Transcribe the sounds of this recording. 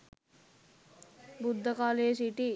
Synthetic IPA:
bud̪ʱːɐkaːleːsiʈi

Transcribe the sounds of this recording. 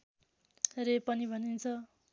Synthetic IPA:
repʌnibʱʌnint͡sʰʌ

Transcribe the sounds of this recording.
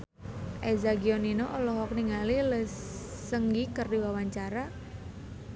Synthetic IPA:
ʔezaɡiɔninoʔɔlɔɦɔk̚niŋaliləsːəŋɡikərdiwawaɲt͡ʃaɾa

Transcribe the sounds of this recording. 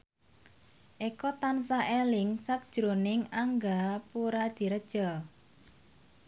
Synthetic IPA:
ʔekɔt̪ansaʔelɪŋsak̚d̥ʒ̥ɾonɪŋaŋɡapuɾad̪̥i̤ɾəd̥ʒ̥ɔ̤

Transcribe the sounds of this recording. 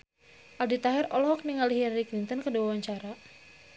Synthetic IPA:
ʔaldit̪aɦɪrɔlɔɦɔk̚niŋaliɦilaɾiklint̪ənkəduwawaɲt͡ʃaɾa

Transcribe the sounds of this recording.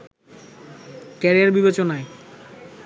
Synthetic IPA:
kɛɾiaɾbibet͡ɕonae

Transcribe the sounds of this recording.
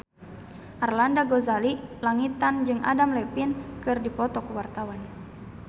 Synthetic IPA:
ʔarlandaɡozalilaŋit̪and͡ʒɨŋa̰damlɛpinkɨrdipɔt̪ɔkuwart̪awan

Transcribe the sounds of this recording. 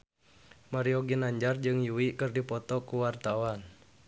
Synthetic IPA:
maɾiɔɡinaɲd͡ʒard͡ʒɨŋjuwikɨrdipɔt̪ɔkuwart̪awan

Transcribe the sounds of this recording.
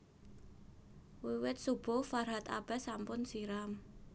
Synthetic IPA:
wiwɪt̪̚sub̥ʊ̤farɦat̪a̰b̥ɛ̤sampʊnsiɾam

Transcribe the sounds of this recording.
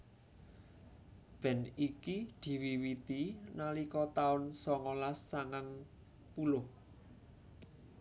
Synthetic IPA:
b̥ɛ̤nikid̪̥i̤wiwit̪inalikɔt̪aʊnsɔŋɔlasːaŋaŋ | pulʊh

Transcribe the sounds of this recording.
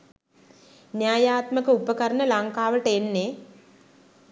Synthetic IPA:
njaːjaːt̪məkəupəkəɾənəlaŋkaːʋəʈəenːe

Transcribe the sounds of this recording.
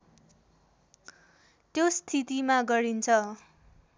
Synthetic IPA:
t̪jost̪ʰit̪imaɡʌɾint͡sʰʌ

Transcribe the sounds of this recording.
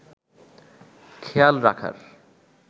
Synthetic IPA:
kʰejalɾakʰa̰ɾ

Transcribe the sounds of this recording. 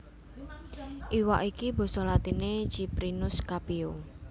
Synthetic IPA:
ʔiwaʔikibɔ̤sɔlat̪ine̥ʒ̥ipɾinʊskapeo

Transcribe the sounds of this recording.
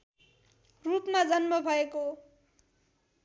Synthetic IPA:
rupmad͡zʌnmʌbʱʌeko

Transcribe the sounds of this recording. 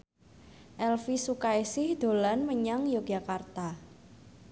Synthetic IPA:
ʔɛlfisukaisɪhd̪̥o̤lanməɲaŋjoɡ̥ʒa̤kart̪a

